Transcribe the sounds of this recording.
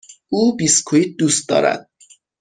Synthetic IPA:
ʔuːbiːskʰuiːt̪̚d̪uːst̪̚d̪ɒ̰ːɾæ̰d̪̥̚

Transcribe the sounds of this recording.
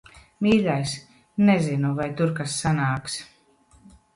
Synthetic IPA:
miːlʲajs | nɛzinuvajt̪uɾkasːanaːks

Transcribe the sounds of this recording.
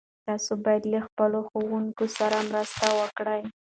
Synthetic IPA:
t̪ɑsobɑjad̪ləxpəloxowuŋkosaɾamɾəst̪awəkɽəj

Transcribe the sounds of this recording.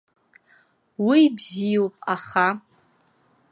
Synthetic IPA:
wibzijopʼaχa

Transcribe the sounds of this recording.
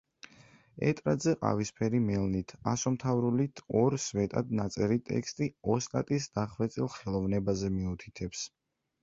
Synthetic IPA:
ɛ̰t̪ʼɾad̪zɛqʼa̰vispʰɛɾimɛlnit̪ʰasɔmt̪ʰavɾulit̪ʰɔɾsvɛt̪ʼad̪nat̪sʼɛɾit̪ʼɛ̰kʰst̪ʼiɔst̪ʼat̪ʼisd̪̥aχvɛt̪sʼilˠχɛlˠɔvnɛbazɛmiut̪ʰi̥t̪ʰɛps

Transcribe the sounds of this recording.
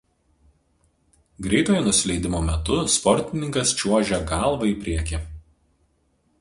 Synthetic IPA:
ɡɾʲɛɪt̪oːjonʊsʲɪlʲɛɪd̪ʲɪmoːmʲɛt̪ʊspɔɾʲt̪ʲɪnʲɪŋkɐst͡ʃʲuɔʒʲɛɡɑˑlˠʋɐiːpʲɾʲiɛkʲɪ

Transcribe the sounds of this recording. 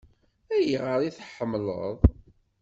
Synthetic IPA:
æjiʁəɾˤiθħəmːlə̰ðˤ

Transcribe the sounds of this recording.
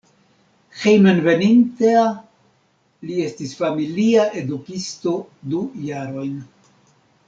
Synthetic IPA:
xejmenvenintea | lie̞stisfamiliaʔe̞dukisto̞dujaɾo̞jn

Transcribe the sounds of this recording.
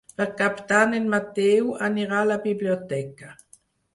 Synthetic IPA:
pɛʁkapt̪anenmat̪ewaniʁalabibliot̪ɛka

